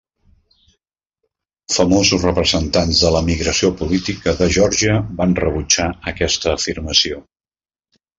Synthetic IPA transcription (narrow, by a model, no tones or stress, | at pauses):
fəmozusrəpɾəzənt̪anzðələmiɣɾəsiopulit̪ikəðəʒɔɾʒiəβanrəβut͡ʃaəkɛst̪əːfirməsio